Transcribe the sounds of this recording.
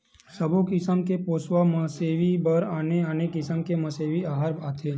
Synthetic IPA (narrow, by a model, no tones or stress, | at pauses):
səbʱokɪsəmkepoːsʋaməseːʋibəɾaːneanekɪsəmkeməseːʋiaːɦəɾaːt̪ʰeː